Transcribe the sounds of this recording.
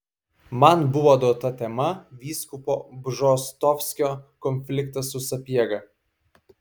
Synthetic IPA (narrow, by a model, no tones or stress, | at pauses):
mɐnbʊʋod̪oːt̪ɐt̪ʲɛmɐʋʲiːskʊpɔːbʒɔst̪ɔfʲsʲkʲɔːkɔnʲfʲlʲɪkt̪ɐsʊsɐpʲiɛɡɐ